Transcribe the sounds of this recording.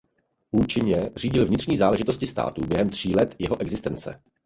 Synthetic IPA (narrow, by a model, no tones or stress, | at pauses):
ʔuːt͡ʃɪɲɛr̝iːɟɪlvɲɪt̪r̥ɲiːzaːlɛʒɪt̪oscɪst̪a̰ːt̪uːbjɛɦɛmt̪r̝̥iːlɛt̪jɛɦoʔɛɡzɪst̪ɛnt͡sɛ̰